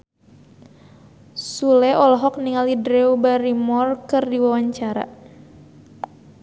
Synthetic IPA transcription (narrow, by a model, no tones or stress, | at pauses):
sulɛʔɔlɔɦɔk̚niŋalidɾɛubaɾimɔrkɨrdiwawaɲt͡ʃaɾa̰